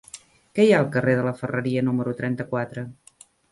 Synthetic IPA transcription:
kɛjaəlˠkəreðələfərəɾiənuməɾut̪ɾɛnt̪əkwat̪ɾə

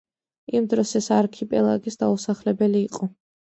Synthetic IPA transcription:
imd̪ɾɔsɛsaɾkʰipʼɛlˠa̰ɡisd̪ausaχlɛbɛliːqʼɔ

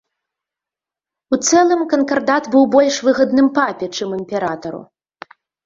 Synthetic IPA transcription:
ut̪sɛlˠɨmkɐnkard̪at̪bɨwbɔlʲʂvɨɣɐd̪nɨmpapʲɛt͡ʂɨmɨmʲpʲɛɾat̪ɐɾṵ

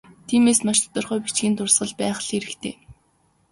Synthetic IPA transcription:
t̪ʰiːmeːsmaʃt̪ʰɔ̥t̪ɞ̆rχœːpit͡ɕɡʲiːnt̪ʊrsɢə̆ɮpæːχɮiɾɘ̆kt̪ʰḛː

